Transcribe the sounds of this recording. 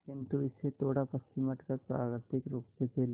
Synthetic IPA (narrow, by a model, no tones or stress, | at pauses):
kɪ̃nt̪uɪsːet̪ʰoːɽapɐst͡ʃɪməʈkəɾpɾaːʋɪɾt̪ɪkɾoːksepʰel